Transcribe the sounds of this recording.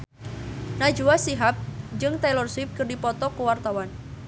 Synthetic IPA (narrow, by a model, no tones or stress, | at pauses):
nad͡ʒuwasiɦap̚d͡ʒɨŋt̪alɔrswɪp̚kɨrdipɔt̪ɔkəwart̪awan